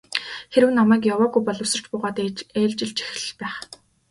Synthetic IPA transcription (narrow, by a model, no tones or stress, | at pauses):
xeɾɘ̆wnamæːk̬jawaːɣujpɔɮɞ̆wsɞ̆r̥t͡ɕpʊːʁɔːt̪æːɮt͡ɕɪ̆ɮt͡ɕi̥x̆ɮɮpæːχ